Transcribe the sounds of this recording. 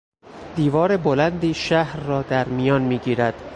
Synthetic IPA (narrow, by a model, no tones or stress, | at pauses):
d̪̥iːvɒːɾebolænd̪iːʃæhɾːɒːd̪æɾmijɒːnmiːɟiːɾæd̪̥